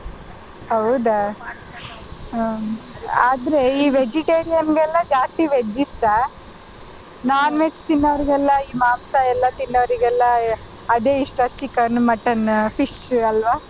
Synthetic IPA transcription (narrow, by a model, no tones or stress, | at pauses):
hɐwd̪a | aːd̪ɾeiːʋed͡ʒiʈeːɾijɐnɡɛlːɐd͡ʒaːst̪iʋed͡ʒːiʂʈɐ | naːnʋet͡ʃt̪inːɐʋɾiɡɛlːɐiːmaːmsɐɛlːɐt̪inːɐʋɾiɡɛlːɐː | d̪eːiʂʈɐt͡ʃikːɐnmɐʈɐnfʰiʂɐlʋa